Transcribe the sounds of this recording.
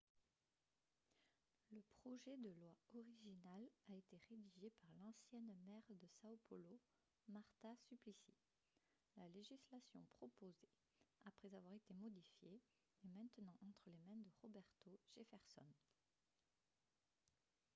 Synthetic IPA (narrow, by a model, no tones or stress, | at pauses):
ləpχɔʒɛd̪əlwaɔʁiʒinalaet̪eʁed̪iʒepaʁlɑ̃sjɛnmɛʁd̪əsaopʰɔlo | maʁt̪asyplisḭ | laleʒislasjɔ̰̃pχɔpoze | apχɛzavwaʁet̪emɔd̪ifjeː | mɛ̃t̪nɑ̃ʔɑ̃t̪χəlemɛ̃nd̪əʁɔbɛʁt̪oʒ̥efɛʁsɔ̰n